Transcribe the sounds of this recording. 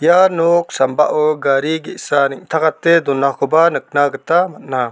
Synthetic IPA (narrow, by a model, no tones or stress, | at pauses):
janɔk̚samba̰ʔɔɡaɾiɡiʔsaniʔ̚t̪ʰakat̪ɛd̪ɔnakɔbanək̚naɡət̪amatt̪̚na